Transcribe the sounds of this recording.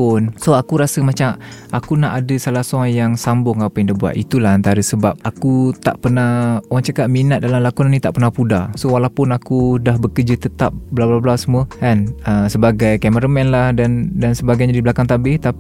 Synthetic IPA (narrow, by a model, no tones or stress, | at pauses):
ʊnsoakuɾasəmat͡ʃamʔakunaʔadəsalahsuajaŋsambʊŋapajaŋdabua̰t̪it̪ulahant̪aɾəsəbap̚akut̪a̰ʔpənahuɣaŋt͡ʃakat̪̚minat̪̚dalamlakunanit̪aʔpərnahpudasowalapʊnakudahbəkəd͡ʒət̪ət̪a̰p̚bəlablablasəmuəkanəsəbaɡajkaməɾəmɛnlahdandansəbaɡajɲadiblakaŋt̪abɪht̪ap